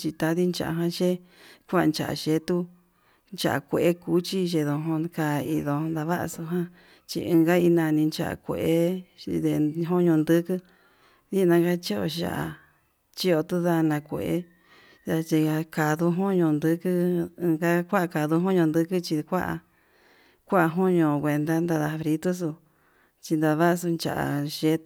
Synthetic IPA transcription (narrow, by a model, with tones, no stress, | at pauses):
t͡ʃi˧t̪a˧ði˦nt͡ʃa̰˨ʔa˨ɦã˧ʃe˦ | kʷa˦ʔa˧nt͡ʃa̰˨ʔa̰˨ʃe˧˦t̪u˦ | nt͡ʃa̰˨a̰˨kʷe˨ʔe˦ku˧˦t͡ʃi˦ʒe˧ðõ˧ɦõ˧ka˧i˧ðõ˧nd̪a˧βa˦ʔa̰˧su˧ɦã˦ | t͡ʃḭ˧ɨ̃˧ɡa˦i˧nã˧nĩ˧nt͡ʃa̰˧ʔa̰˨kʷḛ˨ʔe˦ðe˧ɦõ˦ɲõ˧nd̪ɨ˦kɨ˦ | ði˦˧nã˧ɡa˦t͡ʃi˦o̰˧ʃa̰˨a˨ | t͡ʃi˦o˧t̪u˦ða˧nã˧kʷḛ˨ʔḛ˦ | t̪a˧t͡ʃi˧a˧ka˨ðu˧ɦõ˦ɲõ˧nd̪ɨ˧˦kɨ̃˦˧ɡa˦kʷa˦ʔka˨ðu˧ɦõ˦ɲõ˧nd̪ɨ˦kɨ˦t͡ʃi˧kʷa˦ʔa̰˧ | kʷa˦ʔa˧ɦõ˦ɲõ˧˨˧kʷe˨nd̪a˦nd̪a˧ða˧fɾi˧t̪u˦s̬u˧ | t͡ʃi˧nd̪a˧βa˦˧su˧nt͡ʃa̰˨a̰˨ʃe˦